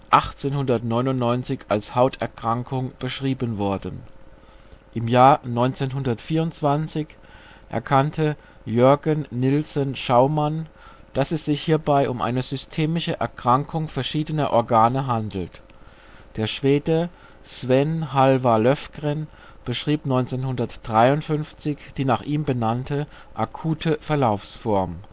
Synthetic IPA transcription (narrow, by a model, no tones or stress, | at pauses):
ʔaχt͡seːnhʊndɐtnɔʏnʊntnɔʏnt͡sɪça̰lshaʊtʰɛɐkʁ̥aŋkʰʊŋb̥əʃʁ̥iːbənvɔɐdən̩ | ʔɪmjaːɐnɔʏnt͡seːnɦʊndɐtfiːɐʊntt͡sv̥ant͡sɪç | ʔɛ̰ɐkʰantʰə | jœɐɡənːɪlsənʃaʊman | d̥asɛsz̥ɪçhiːɐbaɪʔʊmʔa̰ɪnəzʏstʰeːmɪʃəʔɛ̰ɐkʁ̥aŋkʰʊŋfɛɐʃiːdənɐʔɔɐɡaːnəɦandl̩t | d̥eːɐʃv̥eːdə | sv̥ɛnɦalvalœfɡ̥ʁən | b̥əʃʁ̥iːpnɔʏnt͡seːnhʊndɐtd̥ʁaɪʊntfʏnft͡sɪçd̥iːnaːχʔiːmbənantʰə | ʔakʰuːtʰəfɛɐlaʊfsfɔɐm